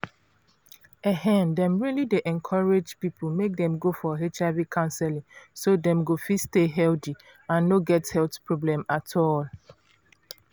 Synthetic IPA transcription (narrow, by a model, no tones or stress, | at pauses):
ɛhɛ̃ndɛ̃mɹilideʔɛ̃nkʰɔɹed͡ʒpipʰumek̚dɛ̃mɡofɔɦet͡ʃavikʰãnsɛlĩŋsodɛ̃mɡofisteɦɛldi | ãnːoɡɛthɛltpɹɔblɛ̃matʰɔl